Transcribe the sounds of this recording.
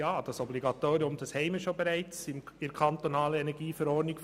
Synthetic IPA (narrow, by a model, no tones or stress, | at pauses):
jɑːd̥ɑsɔbliɡɑt̪oːɾiʊmd̥ɑshɛɪməʃobɛɾæɪt͡sɪmɪkʰɑnt̪onɑːləɛnɛɡiːfəɾɔːɾnik